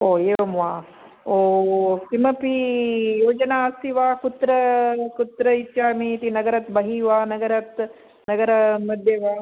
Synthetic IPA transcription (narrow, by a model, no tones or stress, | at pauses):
oːeːʋɐmʋaː | oːsimɐpijoːd͡ʒɐnaːɐst̪iʋaːkut̪ɾɐkut̪ɾɐit̪ːʃaːmiːt̪inɐɡɐɾɐt̪bɐɦiːʋaːnɐɡɐɾɐt̪ | nɐɡɐɾɐmɐd̪ʱjeʋaː